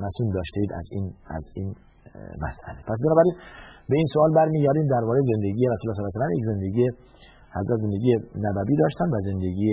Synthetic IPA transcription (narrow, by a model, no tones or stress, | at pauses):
mæsuːnd̪ɒːʃt̪eiːd̪æ̰ziːnæ̰ziːn | mæ̰sæ̰lepʰæs̬benɒːbæɾiːnbe̞iːnsoɒːlbæɾmiːɟæɾd̪iːmd̪æɾbɒːɾeze̞nd̪eɟiːjeɾæsuːlæs̬ɔːlæs̬ælæmjekʲze̞nd̪eɡiːje | hæzɾʔæt̪ze̞nd̪e̞ɡijenæbæbiːd̪ɒːʃt̪ænd̪væzend̪eɡiːe